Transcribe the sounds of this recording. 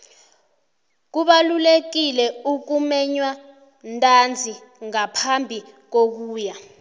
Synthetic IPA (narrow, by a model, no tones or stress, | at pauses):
k̬uɓalulek̬ilɛuk̬umɛɲwa | ntʼand͡zʱi | ŋapʰambʱi | k̬ok̬uːja